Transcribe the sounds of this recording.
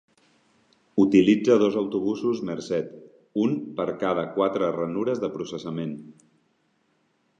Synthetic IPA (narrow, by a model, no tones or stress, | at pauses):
ut̪ilid͡zəð̞ozəwt̪uβ̞usuzməɾsɛt̪ | unpəɾkaðəkwat̪ɾərənuɾəzðəpɾusəsəmen